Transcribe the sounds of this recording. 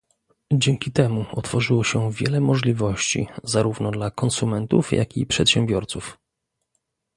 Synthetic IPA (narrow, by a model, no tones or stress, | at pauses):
d͡ʑɛŋkʲit̪ɛmuɔt̪fɔʐɘwɔɕɛvʲjɛ̰lɛmɔʐlʲivɔɕt͡ɕḭzaɾuvnɔd̪lakɔnsumɛnt̪ufja̰kʲḭpʂɛt̪ɕɛ̃mbʲjɔɾt̪suf